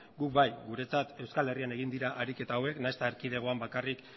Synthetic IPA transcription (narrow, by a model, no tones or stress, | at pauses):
ɡukbajɡuɾe̞t͡sat̪e̞wskale̞riane̞ɣ̞ind̪iɾaʔaɾike̞t̪aːwe̞knajst̪aeɾkið̞e̞ɣ̞o̞ambakarik